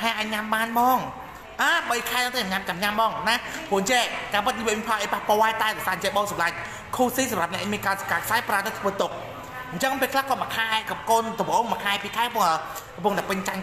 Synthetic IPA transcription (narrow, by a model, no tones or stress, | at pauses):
aʔaːɲamɓaːnɓɑːŋ | ʔaːɓəjkʰaɛɗ̪əŋt̪amaɲamt͡ɕamɲamɓɑːŋnapoɲt͡ɕɛʔkaːpɨt̪̚ɲiʋɨəmipʰaːʔəjpahpoɔɛt̪aɛɗɛsaːɲt͡ɕɛʔɓoːsɑmlaɲ̚ | kʰuːsiːsɑmrap̚nɛ̆ʔamiənkaːskaːkʰsaɛpraət̪at̪ʰʋəːt̪ʊk̚ | ɲt͡ɕəŋpeːlkʰlahkɔːmakʰaɛkkoːnt̪opəʔoːŋmakʰaɛpiːkʰaɛkɔpʊəŋː | kɔmpʊ̆əŋt̪aɛpɨɲt͡ɕaɲ